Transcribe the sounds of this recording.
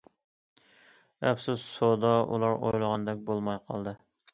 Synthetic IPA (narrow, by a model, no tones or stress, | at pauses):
æpsuzsod̪ɑṵlˠɑɾo̰jlˠəʁɑnd̪ɛk̚ʲbolˠmɑjqʰɑ̰lˠd̪ɨ